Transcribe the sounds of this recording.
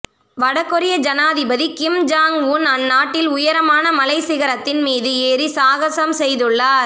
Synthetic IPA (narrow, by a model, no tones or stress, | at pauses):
ʋɐɽɐkːɔɾɪjɐd͡ʒɐnaːðɪbɐðikɪmd͡ʒaːŋʋuːnɐnːaːʈːɪlʊjɐɾɐmaːnɐmɐlɐɪsɪɣɐɾɐt̪ːɪnmiːðɯeːɾisaːɣɐsɐmsɛjðɯɭːaːɾ